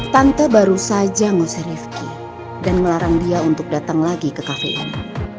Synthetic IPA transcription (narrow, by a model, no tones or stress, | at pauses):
t̪ant̪əbaɾusad͡ʒaŋosəɾifki | danŋəlaɾaŋdiaunt̪ʊk̚dat̪aŋlaɡikəkafḛʔan